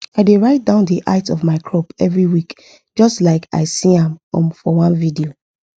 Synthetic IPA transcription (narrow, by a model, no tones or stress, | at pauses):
aɪdeɹaɪt̚dãʊ̃ndiʔa̰ɪtɔvmaɪkʰɹopɛvɹiwik | d͡ʒɔstlaɪkʰa̰ɪsĩãmɔ̰̃mfɔwãnvidio